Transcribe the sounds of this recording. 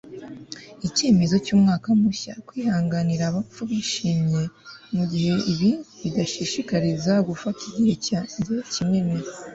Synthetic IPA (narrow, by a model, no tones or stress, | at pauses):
ice̞ːme̞zo̞cuːmŋaːkamuça̰kwiːhaːŋɡaniɾaβafuβiʃimɲe̞muɟihe̞iβiβidaʃiʃikaɾizaɡufatʰiɟihe̞caːɲdecime̞meɾa